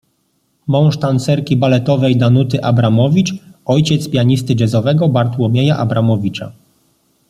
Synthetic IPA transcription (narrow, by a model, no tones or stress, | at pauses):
mɔ̃w̃ʂt̪ant̪sɛɾkʲibalɛt̪ɔvɛjd̪anut̪ɘʔabɾamɔvʲit͡ʂɔjt͡ɕɛt̪spʲjaɲist̪ɘd͡ʑɛzɔvɛɡɔbaɾt̪wɔmʲjejaʔabɾamɔvʲit͡ʂa̰